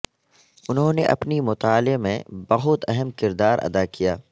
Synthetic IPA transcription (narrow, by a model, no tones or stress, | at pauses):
ʊnɦõneʔɐ̰pnimʊt̪aːlemḛ̃bɐɦʊt̪ɛɦəmkɪɾd̪aːɾɐ̰d̪aːkijaː